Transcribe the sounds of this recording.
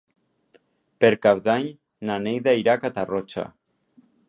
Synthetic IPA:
peɾkaβðaɲ | nanejðaiɾakat̪arot͡ʃa̰

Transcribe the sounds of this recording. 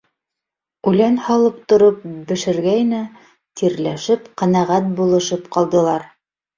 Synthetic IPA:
ʉlænhɑlˠɤpt̪ŏɾɤp̚bɘ̆ʃɘ̆ɾɡæjnæ | t̪ʰiɾlæʃɘpqænæʁæt̪̚bulˠɤ̆ʃɤpqɑlˠd̪ɤ̆lˠɑɾ

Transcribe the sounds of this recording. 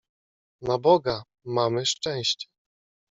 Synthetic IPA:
nabɔɡa | mamɘʂt͡ʂɛ̃w̃ɕt͡ɕɛ̥

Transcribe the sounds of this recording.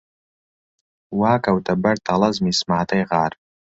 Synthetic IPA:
waːkʰʼawtʰabartʰalazmismaːtʰajʁaːr

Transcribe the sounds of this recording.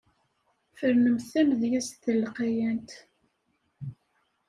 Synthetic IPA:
fəɾnəmθæmðjæst̪əlːqæjænt̪

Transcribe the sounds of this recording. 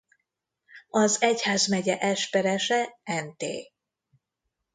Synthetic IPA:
ɒzɛchaːzmɛɟɛʔɛʃpɛɾɛʃɛɛnt̪ḛː

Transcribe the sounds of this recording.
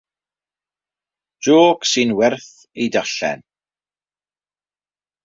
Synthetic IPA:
d̥oːɡ̥sɪnwɛrθ | ejdaɬɛ̰n

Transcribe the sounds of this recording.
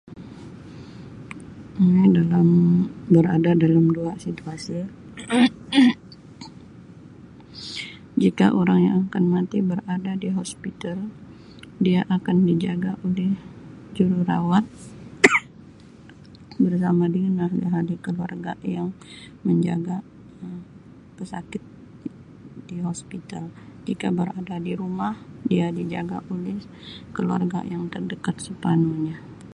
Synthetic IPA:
dalambəɾa̰dadalamduasit̪uasi | d͡ʒika̰ʔoɾaŋja̰ŋakanmat̪ibəɾadadiɦospit̪al | diaʔakandid͡ʒaɡaʔolɛhd͡ʒuɾuɾa̰wat̪̚ | bərsamadiŋanahliɦadikəlua̰rɡajaŋ | məɲd͡ʒa̰ɡa | əm | pəsakɪt̪̚ | diɦospit̪ald͡ʒikabəɾadadiɾumahdiadid͡ʒaɡa̰ʔulɛh | kəlua̰rɡa̰jaŋt̪ərdəkat̪̚səpanuɲa

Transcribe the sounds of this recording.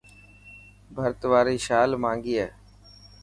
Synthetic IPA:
bʱəɾt̪ʋaːɾiːʃaːlmãːŋɡiːɛː

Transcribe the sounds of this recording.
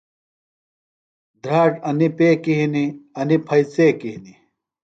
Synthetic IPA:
d̪ɾaːʈɐnipeːkiɦiniɐnipʰɐjt͡seːkiɦini

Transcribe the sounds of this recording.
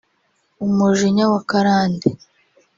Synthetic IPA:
umuʒiɲawakaɾaːnde

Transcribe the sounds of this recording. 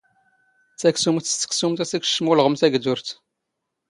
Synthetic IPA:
t͡sæksumt̪ːə̥ksumt̪æsækʃmulʁəmθæɡd̪ʊɾθ

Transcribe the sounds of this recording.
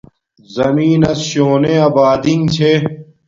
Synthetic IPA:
zɐmiːnɐsɕoːneɐbaːd̪iŋt͡ɕʰe

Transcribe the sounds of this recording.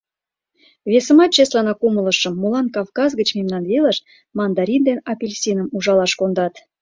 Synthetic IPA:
βesə̆mɑt̪̚ɕeslɑnɑkumələ̆ʃə̆mːulɑnkɑvkɑzɡə̆t͡ɕmemnɑnveləʃ | mɑnd̪ɑɾʲind̪enɑpʲelʲsʲinəmuʒɑlɑʃkond̪ɑt̪

